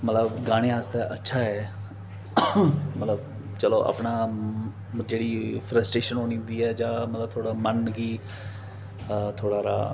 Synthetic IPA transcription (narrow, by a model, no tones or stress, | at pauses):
mət̪ləbɡaːɽ̃ẽːɦaːst̪aːʔətːʃʰaːɦɛː | mət̪ləb̚ | t͡ʃəloːʔə̰pɳaː | d͡ʒeːɽiːpʰɾəsʈeːʃənɦoːnĩːnd̪iːɛːd͡ʒãːmət̪ləb̚t̪ʰoːɽaːmənɡiː | t̪ʰoːɽaːɾa̰ː